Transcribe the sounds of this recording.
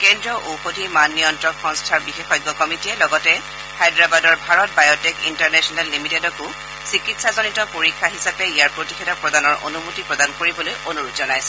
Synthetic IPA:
kɛndɹɔʔoxodʱimanːijɔntɹɔkxɔ̃ŋstʰaɹbixexɔjɡːɔkɔmitiɛlɔɡɔtɛ | xajdɹabadɔɹbʱaɹɔt̚bajɔtekḭntaɹnɛsɔnalːimitedɔkʊ | sikitsazonitɔpoɹikʰːaɦisapɛijaɹpɹotixʰɛdɔk̚pɹɔdanɔɹʔo̰numutipɹɔdankoɹibɔlojonuɹutzɔnajsɛ̥

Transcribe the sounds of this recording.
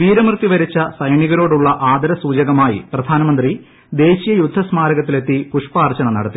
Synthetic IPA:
ʋiːɾɐmrt̪ːiʋɐɾit͡ɕːɐsɐjɳiɣɐɾo̞ːɽuɭːɐʔaːd̪ʱɐɾɐsuːd͡ʑɐɣɐmaːjḭprɐd̪ʱaːnɐmɐnd̪ri | d̪e̞ːɕijɐjud̪ʱːɐsmaːɾɐɣɐt̪ːile̞t̪ːikuʂpaːrt͡ɕɐɳɐmnɐ̰ɽɐt̪ːi

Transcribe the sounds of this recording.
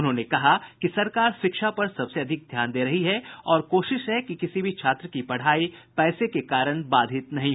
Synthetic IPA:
ʊnɦõːnekɐɦakisɐɾkaːɾʃɪkʃapɐɾsɐbseɐd̪ʱɪk̚d̪ʱjaːnd̪eːɾɐɦiɦɛɔːɾkoːʃɪʃɦɛkikɪsibʱit͡ʃʰaːt̪ɾəkipɐɽ̤aːipɛːsekekaːɾəɽ̃baːd̪ʱɪt̪nɐɦĩɦ

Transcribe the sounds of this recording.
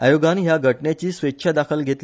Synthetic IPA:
ajoɡanɦjaɡʱəʈnjat͡ɕiːsʋetːɕʰad̪akʰəlɡʱet̪l

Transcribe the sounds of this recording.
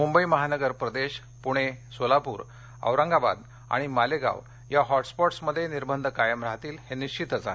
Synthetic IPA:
mumbəiməɦanəɡəɾpɾəd̪eɕ | puɽ̃esolapṵːɾ | ə̰ʋɾãŋɡaba̰d̪ | a̰ɽ̃imaleɡa̰ʋ | jaɦɔʈspɔʈsməd̪ʱːjeniɾbənd̪ʱkajəmɾaɦat̪iːlheniɕt͡ɕit̪d͡za̰

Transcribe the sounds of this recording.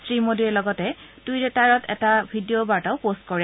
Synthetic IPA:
sɹimodiɛlɔɡɔtɛtujdɛtaɹɔtʰɛtabʱidiobaɹtaʊpost̚kɔɹɛ

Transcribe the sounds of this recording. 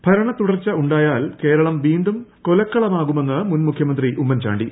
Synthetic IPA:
bʱɐɾɐɳɐt̪uɽɐrt͡ɕːɐuɳɖaːjaːlke̞ːɾɐɭɐmʋiːnd̪umkolɐkːɐɭɐmaːɣume̞nːɨmunmukʰjɐmɐnd̪riʔumːɐnt͡ɕa̰ːɳɖi

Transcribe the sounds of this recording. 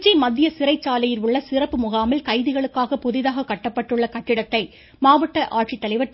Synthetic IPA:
t͡ʃːimɐðːɪjɐsɪɾɐɪt͡ʃːaːlɐjɪlʊɭːɐsɪrɐpːɯmʊɣaːmɐlkɐɪðɪɣɐɭɯkːaːɣɐpɔðɪðaːɣɐkːɐʈːɐpːɐʈːɯɭːɐkɐʈːɪɽɐt̪ːɐɪ | maːʋɐʈːɐʔaːʈt͡ʃit̪ːɐlɐɪʋɐ

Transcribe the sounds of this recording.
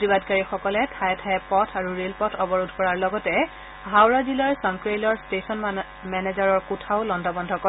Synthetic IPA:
tibadkaɹixɔkɔlɛtʰajɛtʰaɛpɔtʰaɹuɹelpɔtʰɔbɔɹudʱkɔɹaɹlɔɡɔtɛ | ɦawɹazilɔɹsɔŋkɹejlɔɹstesɔn | mɛnezaɹɔɹkutʰaʊlɔndʱɔbɔndʱɔkɔ

